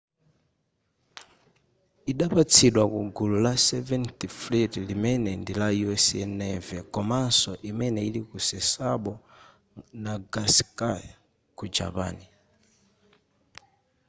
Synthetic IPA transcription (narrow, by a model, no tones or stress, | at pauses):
iɗapat͡sʰiɗwakuɡululasɛvɛntiflitlimɛnɛndilajuɛsɛnɛvɛkɔmansɔʔimɛnɛilikusɛsaɓɔ | naɡaskaja | kud͡ʒa̰pa̰ːni